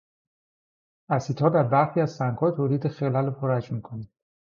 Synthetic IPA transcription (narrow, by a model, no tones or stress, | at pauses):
æsiːt̪ʰhɒːd̪æɾbæɾxiːæzsæŋɡhɒːt̪ʰoːliːd̪exelælopʰoɾæd͡ʒmikʰonid̪̥